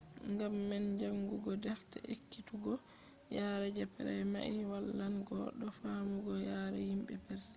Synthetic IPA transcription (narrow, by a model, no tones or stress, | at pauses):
ŋɡamːɛnd͡ʒaŋɡuɡɔdɛfta̰ʔekkːituɡɔ | jaːɾɛd͡ʒɛpɛɾɛma̰ʔiwalːanɡɔɗɔfawuɡɔjaːɾɛhimbɛpɛɾ